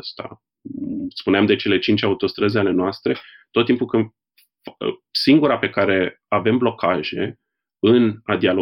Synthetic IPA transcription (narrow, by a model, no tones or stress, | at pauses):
st̪a̰ | spuneamd̪e̞t͡ʃe̞le̞t͡ʃint͡ʃaut̪o̞st̪ɾəzeale̞noast̪ɾe̞ | t̪o̞t̪ːimpukɨn | siŋɡuɾape̞kaɾe̞ | ave̞mblo̞kʰaʒe̞̰ | ɨnad̪ialo